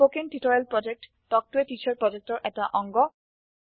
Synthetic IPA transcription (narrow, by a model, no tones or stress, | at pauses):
pokentitɔɹelpɹɔd͡ʒek̚t | tɔk̚tuetit͡ʃʰɔɹpɹɔd͡ʒek̚tɔɹʔɛtaʔɔŋɡɔ